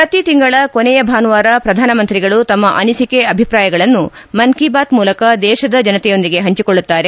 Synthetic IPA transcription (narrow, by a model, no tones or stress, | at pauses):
pɾɐt̪it̪iŋɡɐɭɐkonɛjɐbʱaːnʋaːɾɐpɾɐd̪ʱaːnɐmɐnt̪ɾiɡɐɭut̪ɐmːɐʔɐnisikeɐbʱipɾaːjɐɡɐɭɐnːumɐnkibaːt̪muːlɐkɐd̪ɛːʃɐd̪ɐd͡ʒɐnɐt̪ɛjo̞nd̪iɡe̞ɦɐɲt͡ʃikoɭːut̪ːaːɾe̞